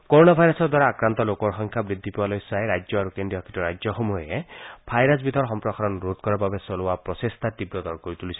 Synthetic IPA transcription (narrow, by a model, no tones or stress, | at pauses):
kɔɾonabʱajɾɔsɔɾd̪waɾaːkɾant̪ɔlokɔɹxɔŋkʰjabɾid̪ʱːipiwalojsaeɾad͡ʒjɔaɾukendiɔkʰi̥tɔɾajd͡ʒjɔxomuebʰʱajɾasbit̪ɔɾxɔmpɾɔkʰaɾɔnɾud̪kɔɾababesɔlowapɾɔsest̪ʰat̪ibɾɔd̪ɔɾkoɾit̪ulisʰi